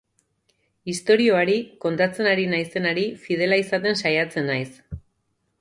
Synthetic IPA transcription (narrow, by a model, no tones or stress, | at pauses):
ist̪o̞ɾio̞aɾiko̞nt̪at͡se̞naɾinajse̞naɾifið̞e̞laisat̪e̞nsajat͡se̞najs